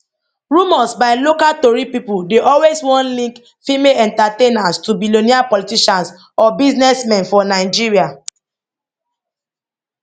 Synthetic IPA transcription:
ɹumɔsbaɪlokatɔɹipipudeʔɔlweswɔ̃nlĩŋk | fimeɛ̃ntatenãstubiloniapɔlitiʃãns | ɔbiznɛsmɛ̃nfɔnaɪd͡ʒiɹia

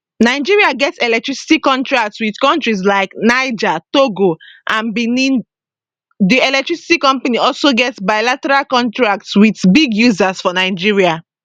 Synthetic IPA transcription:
naɪd͡ʒiɹiaɡɛtsɛlɛk̚tɹisi̥tikɔ̃ntɹak̚tswiðkɔ̃ntɹis̬laɪknaɪd͡ʒatoɡoʔãnbinĩn | diɛlɛk̚tɹisi̥tikɔ̃mpaniɔlsoɡɛtsbaɪlatɛɹalkɔ̃ntɹak̚tswitbiɡjuzasfɔnaɪd͡ʒiɹia

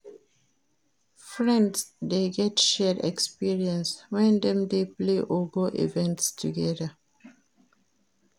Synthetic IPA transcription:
fɹɛ̃ndsdeɡɛtʃɛdɛ̰kspiɹiɛ̃nswɛ̃nd̪ɛ̃mdepleʔoɡoʔḭvɛ̃ntstʰuɡɛdə

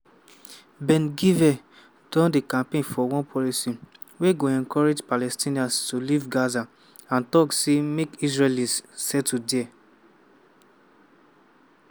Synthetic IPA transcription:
bɛ̃nɡivɛ | d̥ɔ̃ndekãmpẽnfɔwɔ̃npʰɔlisi | weɡoɛ̃nkɔɹed͡ʒpalɛstĩniãnstulivɡaza | ãntɔksemekisɹelĩssɛtudɛ

